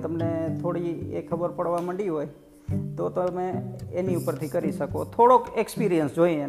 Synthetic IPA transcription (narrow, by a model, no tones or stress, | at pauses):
t̪əmnet̪ʰoɽiḛkʰːəbəɾpəɽʋaməɳɖiɦoj | t̪ot̪omeeniupəɾt̪ʰikəɾiʃəkot̪ʰoɽokekspiɾijənsd͡ʒoie